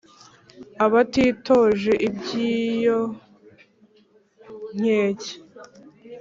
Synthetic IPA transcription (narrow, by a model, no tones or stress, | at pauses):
aβatiːtoʒe̞ʔibɟiːjo | ɲ̥eːce̥